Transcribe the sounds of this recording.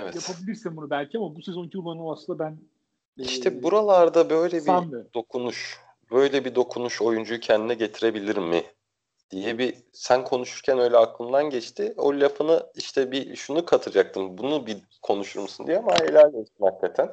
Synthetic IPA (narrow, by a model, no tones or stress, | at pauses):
evɛtjapʰabilʲiɾsinbunubælʲcʰiamabusezonicʰiulˠanɯmaslɯnd̪abæn | iʃt̪ʰɛbuɾalˠaɾd̪abø̞jlʲɛsbiamid̪o̞kʰunuʃ | bø̞jlʲɛbid̪o̞kʰunuʃo̞jund͡ʒujcʰɛnd̪inɛɟe̞t̪ʰiɾe̞bilʲiɾimːɪ | d̪̥ijɛbi | sænkʰo̞nuʃuɾcʰænø̞jlʲɛaklˠɯmd̪anɟɛt͡ʃt̪ʰɪo̰lʲjafʰɯnɯiʃt̪ʰɛbiʃunukʰat̪ʰɯɾd͡ʒak̚t̪ʰɯmbunubi | kʰo̞nuʃuɾmusund̪ijɛmailʲæɾlʲɛt̪imaklːet̪ʰæn